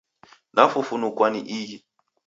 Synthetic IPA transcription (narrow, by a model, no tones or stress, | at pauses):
nafufunukwaniʔiɦi